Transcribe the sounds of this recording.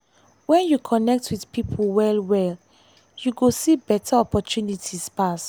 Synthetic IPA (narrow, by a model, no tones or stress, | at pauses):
wɛ̃njukʰɔnɛk̚twiθpipʰwɛlwɛl | juɡosibɛtʰaɔpɔtunitʰispas